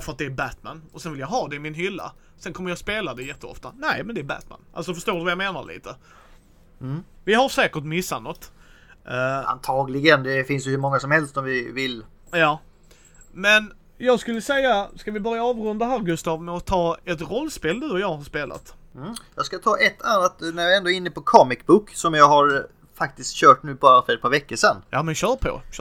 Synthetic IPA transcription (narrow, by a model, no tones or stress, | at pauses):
fəɾat̪̚d̪ɛæbæt̪mæ̰nɔsɛnvɪljaɦɑːd̪ɛɪmɪnɦʏlːa̰ | sɛnkʰɔmːəɾjɑspeːlad̪ɛjɛt̪ːəɔ̰ft̪anæɪmɛnd̪ɛːbæ̰t̪mæ̰nʔals̬ɔfəʂt̪oːɖɵvajameːna̰ɾɭḭːt̪ʰə | vɪɦaɾʂɛːkəʈmɪsːanɔt̪ː | a̰nt̪ʰɑːɡlɪɡənd̪ɛfɪnsjɵhɵɾmɔŋːasɔmhɛlst̪sɔmvɪvɪl | jɑː | mɛn | jɑːɡskɵlːəsɛjːaskavɪbœɾjaɑːvɾɵnd̪aɦæːɾɡɵst̪ɑːvmɛɔt̪ʰːɑːɛt̪ɾɔlːspeːld̪ʉːjɑːɡhaɾʂpeːlʔa̰t̪̩ː | jɑ̰ɡskat̪ʰɑːʔɛt̪ʰːanːat̪næɾjɑɾɛnd̪oːɪnːəpɔkʰɔmɪkbʊkːsɔmjɑɡɦaɾ | fak̚t̪ɪskt̪ɕœːʈnʉ̟ːbɑːɾafœɾɛt̪̚pʰɑːɾvɛkːəʂɛnːjɑːmɛnɕœːpʰɔ̰